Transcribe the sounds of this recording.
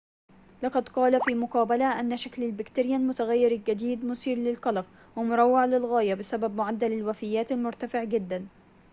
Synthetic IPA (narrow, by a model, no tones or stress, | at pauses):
lɑqɑd̪qɑːlafiːmʊqɑːbalaʔanːaʃaklalbɪkt̪ɪɾɪjaːnmʊt̪aɣajːɪɾɪld͡ʒad̪iːd̪mʊsiːɾlɪlqɑlɑq | wɪmʊɾˤɑwːɪʕlɪlɣaːjabɪsababmʊʕad̪ːalalwafɪjːaːt̪almʊɾt̪afɪʕd͡ʒɪd̪ːan